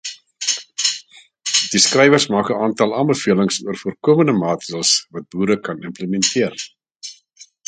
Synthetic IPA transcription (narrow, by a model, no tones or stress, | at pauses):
d̥iskrɛjvərsmɑːkəɑːntɐlˠɑːnbəfiələŋsuərfuərkuəmənəmɑːtədəlˠsvɐt̚buːɾəkɐnəmpləmɛntʰiər